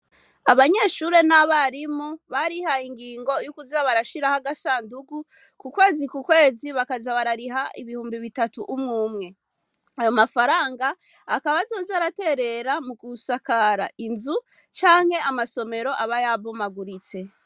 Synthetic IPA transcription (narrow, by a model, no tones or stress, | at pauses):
aβaɲe̞ːʃuɾe̞naβaɾimuβaɾihaiŋɡiːŋɡo̞jukuzaβaɾaʃiɾahaɡasaːnduɡu | kukwe̞ːzikukwe̞ːziβakazaβaɾaɾiɦaḭβihuːmbiβitatuʔumŋuːmŋe̞ | ajo̞mafaɾaːŋɡaː | kaβazoːzaɾate̞ɾe̞ɾamukusakaɾaʔinzu | t͡ʃaːŋ̥he̞amaso̞me̞ɾo̞ʔaβajaβomaɡuɾit͡se̞